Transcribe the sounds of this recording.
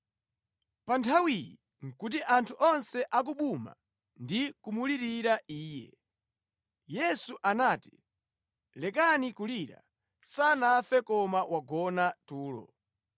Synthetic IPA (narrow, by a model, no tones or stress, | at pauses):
pantʰawijḭ | ŋ̩kut̬iʔantʰuʔɔnsɛʔak̬uɓuma̰ | ndikumuliɾiɾaʔiːjɛ̰ | jɛsuʔanaːti̥ | lɛkanikuliɾa̰ | sanafɛkɔmawaɡɔnatuːlɔ̰